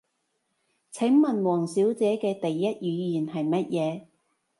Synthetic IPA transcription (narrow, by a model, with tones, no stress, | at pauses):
t͡sʰɪ˨˥ŋmɐ˨nwɔː˨˩ŋsiː˨˥wt͡sɛː˨˥kɛː˧t̪ɐ˨jːɐ˥t̚jyː˨˧jiː˨˩nhɐ˨jmɐ˥t̚jʔɛː˨˧